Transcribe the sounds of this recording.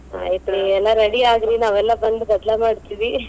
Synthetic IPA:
a̰ːjit̪ɾiɛlːaɾeɽiaːɡɾinaːʋɛlːɐbɐɳɖuɡɐd̪lamaːɖt̪iʋi

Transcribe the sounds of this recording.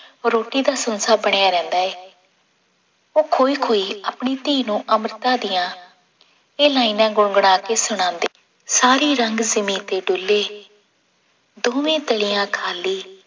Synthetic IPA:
ɾoːʈiːd̪aːsənsaːbəɽ̃jaːɾɛ̃ːnd̪aːɛː | oːkʰoːiːkʰoːiːaːpɳiːt̪iːnũːʔəməɾt̪ãːd̪ɪjãː | eːlaːinãːɡʊɳɡəɽ̃aːkeːsʊɽ̃ãːnd̪eː | saːɾiːɾəŋɡzɪmĩːt̪eːɖʊlːeː | d̪oːʋẽːt̪əlɪjãːkʰaːliː

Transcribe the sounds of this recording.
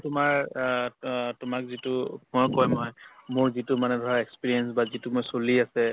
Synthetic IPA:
tʊmaɹ | tʊmak̚zitʊmɔjkɔjmɔjmʊɹzitʊmanɛdʱaɹaekspiɹiɛnsbazitumɔjsoliasɛ

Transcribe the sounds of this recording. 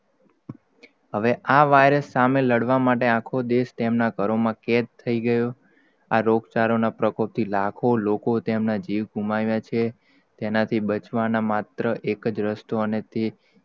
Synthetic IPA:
ɦəʋeʔaʋajɾəsːameləɽʋamaʈeãkʰod̪eʃt̪emnakəɾomãket̪t̪ʰːəiɡəjo | aɾoɡt͡ʃaɾonapɾəkʰop̚t̪ʰilakʰolokot̪emnad͡ʒiʋɡʱumaʋjat͡ʃʰe | t̪enat̪ʰibət͡ʃʋanamat̪ɾəʔekəd͡ʒɾəst̪oənet̪e

